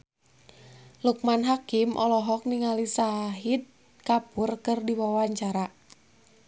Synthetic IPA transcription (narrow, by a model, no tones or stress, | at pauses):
luk̚manɦakimʔɔ̰lɔɦɔk̚niŋalisaɦid̪̚ | kapʊrkɨrdiwawaɲt͡ʃaɾa